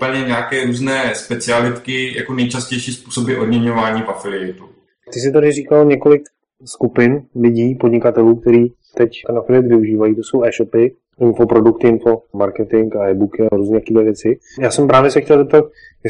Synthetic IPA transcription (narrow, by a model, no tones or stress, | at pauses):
upl̩ɲɛɲaːkɛːɾuːznɛːspɛt͡sɪalɪt̪kɪja̰konɛjt͡ʃascɛjʃiːspuːso̞bɪʔodɲɛɲovaːɲiːvafɪlɪɛt̪u | t̪ɪs̬ɪt̪adɪrikalɲɛko̞lɪk | skupɪnlɪɟiːpodɲɪkat̪ɛluːk̚t̪ɛɾiː | t̪ɛct̪ɛnafɪlɪɛt̪vɪuʒiːvajiːt̪oso̞wɛːʃopɪ | ɪnfopɾo̞dukt̪ɪɪnfomaɾkɛt̪ɪŋkaɛjbukɪaɾuːznɲɛːt̪akiːd̪lɛvjɛt͡sɪ | jaːsɛmpɾaːvjɛsɛxcɛlzɛp̚t̪at̪̚ | jjɛ